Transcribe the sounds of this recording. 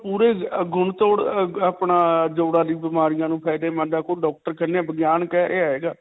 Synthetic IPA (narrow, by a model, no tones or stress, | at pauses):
puːɾeːɡʱʊɳt̪oːɽapɳaːd͡ʒoːɽaːɾiːbɪmaːɾɪjãːnũːpʰɛːd̪ẽːmə̃ːd̪aːkoːɖɔːk̚ʈəɾkənãːbəɡjaːnkɛːɾeaːɦeːɡaː